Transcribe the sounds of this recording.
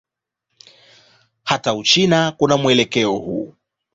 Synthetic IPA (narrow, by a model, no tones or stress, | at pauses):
hataut͡ʃinakunamuɛlɛkɛɔhṵ